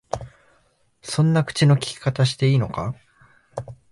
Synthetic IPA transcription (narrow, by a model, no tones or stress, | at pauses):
sõ̞nːakɯ̟̥t͡ɕino̞kʲi̥kʲi̥kat̪aɕi̥t̪e̞iːno̞ka